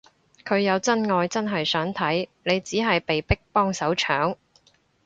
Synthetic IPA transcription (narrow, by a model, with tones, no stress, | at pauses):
kʰɵ˨˧ɥjɐ˨˧wt͡sɐ˥nŋɔː˧jt͡sɐ˥nɦɐ˨jsœː˨˥ŋt̪ʰɐ˨˥jne˨˧jt͡siː˨˥ɦɐ˨jpe˨jpɪ˥k̚pɔː˥ŋsɐ˨˥wt͡ʃʰœː˨˥ŋ